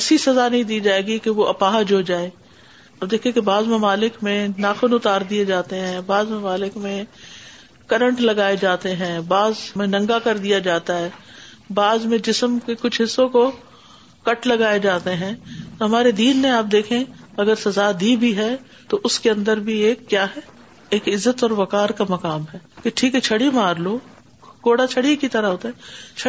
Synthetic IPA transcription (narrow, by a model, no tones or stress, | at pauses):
ɛːsisɐzanɐɦĩd̪iːd͡ʒaːeːɡikeʋoʔɐpaːɦd͡ʒoːd͡ʒaːeː | aːp̚d̪eːkʰẽkebaːzmɐmaːlɪkmẽnaːxʊnʊt̪aːɾd̪ied͡ʒaːt̪eɦɛ̃baːzmɐmaːlɪkmẽ | kɐɾə̃ɳʈlɐɡaːed͡ʒaːt̪eɦɛ̃ːbaːzmẽnɐ̃ŋɡakɐɾd̪ijad͡ʒaːt̪aɦɛːbaːzmẽd͡ʒɪsəmkekʊt͡ʃʰɦɪsːõko | kɐʈlɐɡaːed͡ʒaːt̪eɦɛ̃t̪oɦɐmaːɾed̪iːnːeaːp̚d̪eːkʰẽɐɡəɾsɐzad̪ibʱiɦɛ | t̪oʔʊskeɐ̃nd̪əɾbʱieːkːjaːɦɛ | eːkɪzːət̪ɔːɾʋɐkaːɾkamɐkaːmɦɛːkeʈʰiːkɦɛt͡ʃʰɐɽimaːɾloː | ɡ̥oːɽat͡ʃʰɐɽikit̪ɐɾaɦoːt̪eɦɛ̃t͡ʃʰ